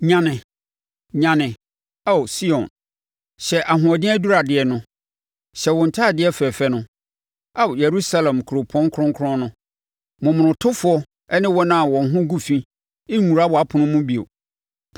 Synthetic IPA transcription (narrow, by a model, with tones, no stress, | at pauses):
ɲã˨nɪ̃˨ | ɲã˨nɪ̃˨ | a˦˨wsi˦ɔ̃˨n | ɕɛ˨ʔa˨ɦʊ̃˨ɔ˨dɪ̃˦æ˦du˦ɾa˨dɪ˨ɛ˨nʊ̃˦ | ɕɛ˨wɔ̃˨n̩˨tʰaː˦˨dɪ˨˦ɛ˦fɛ˨fɛ˦nʊ̃˦ | a˦˨wje˨ɾu˦sa˦lɛ̃˨mkʰɾo˨pʰɔ̃˦ŋ˦kʰɾʊ̃˦ŋkʰʊ˦ɾʊ̃˦nʊ̃˦ | mʊ̃˨mʊ̃˨nʊ̃˨tʰʊ˦fʊ˨˦ɔ˦ | ɛ˦nɪ̃˦wɔ˦nã˦a˨wɔ̃˨n˨ɦʊ̃˦ɡu˦fĩ˦ | ɪ˦ũ˨ɾa˦bɔ˨a˦pʰʊ̃˨nʊ̃˦mũ˦bi˨o̰˨